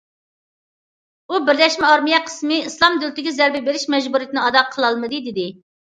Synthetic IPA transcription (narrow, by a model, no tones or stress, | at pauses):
ubɪɾlɛʃmɛɑɾmijɛqʰə̥smɨislˠɑmd̪ylt̪ɪɡʲɛzɛɾbɛbeɾɪʃmɛd͡ʒbuɾijit̪ʰɪnɪɑd̪ɑqʰəlˠɑlˠmɨd̪ɨd̪ɪd̪ɪ